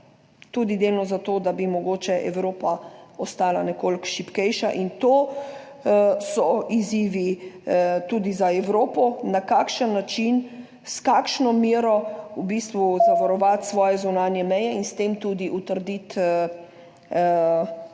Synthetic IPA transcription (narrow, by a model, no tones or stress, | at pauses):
t̪uːd̪id̪eːlnɔzat̪oːd̪abimɔɡoːt͡ʃɛʔɛwɾoːpaɔst̪aːlanɛkoːlkʃipkɛjʃaʔint̪oː | sɔiziːʋi | t̪ud̪izaɛwɾoːpɔnakakʃənːat͡ʃin | skaːkʃnɔmiːɾɔubist̪ʋuzaʋaɾɔʋat̪sʋɔːjɛzunaːnjɛmɛjɛinst̪eːmt̪uːd̪iʔut̪əɾd̪it̪ə